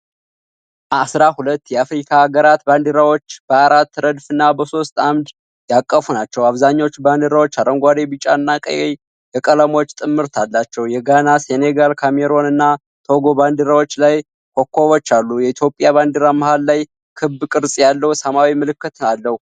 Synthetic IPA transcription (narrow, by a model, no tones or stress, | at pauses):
asɾahulət̪ːjɛafɾikʰaːɡəɾat̪band̪ɨɾawo̞t͡ʃːb̥əaɾat̪ːɾəd̪fɨnːabəso̞st̪amd̪ | jakʼːəfunat͡ʃːɛwaβzaɲːaot͡ʃːband̪ɨɾawo̞t͡ʃːaɾəŋɡʷad̪ebit͡ʃʼaɨnːakʼə̰je | jɛkʼələmo̞t͡ʃːt̪ʼɨmːɨɾt̪ʰalːat͡ʃːɛwjɛɡanaseneɡalkʰameɾo̞nɨnːa | t̪ʰo̞ɡo̞band̪ɨɾawo̞t͡ʃːlaj | kʰo̞kʰːo̞βot͡ʃːalːujɛit̪ʰjo̞pʼːjaβand̪ɨɾaməhalːaj | kʰɨbkʼɨɾsʼjalːəwsəmawimɨlɨkːɨt̪ɨalːəhu